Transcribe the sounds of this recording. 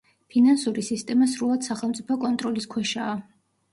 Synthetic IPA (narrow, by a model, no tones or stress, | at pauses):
pʰinansuɾisist̪ʼɛmas̬ɾulˠad̪̥saχɛlˠmt̪sʼipʰɔkʼɔnt̪ʼɾɔliskʰwɛʃaː